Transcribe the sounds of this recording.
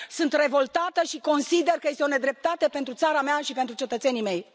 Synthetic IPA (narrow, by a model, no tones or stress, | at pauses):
sunt̪re̞vo̞lt̪at̪əʃiko̞nsid̪e̞rkəje̞st̪eone̞d̪ɾe̞p̚t̪at̪e̞pent̪ɾut̪saɾameaʃipe̞nt̪ɾut͡ʃe̞t̪ət̪se̞nime̞j